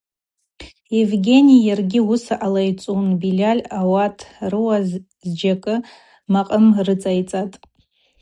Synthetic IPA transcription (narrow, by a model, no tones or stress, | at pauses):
jevɡʲe̞nʲijarɡʲɪusaʔalajt͡sʼunbilʲalʲawatʰrɨwa | zd͡ʒakʼɨ | maqʼəmrɨt͡sʼajt͡sʼatʼ